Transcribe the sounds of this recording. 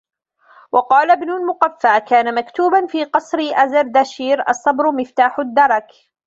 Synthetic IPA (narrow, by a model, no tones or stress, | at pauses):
wʔɑqɑːlabnʊlmʊqafːakaːnamakt̪uːbanfiːqɑsˤɾɪʔazɑɾd̪aʃiːɾʔɑ̰sˤːɑbɾʊmɪft̪aːħʊd̪ːɑɾˤɑk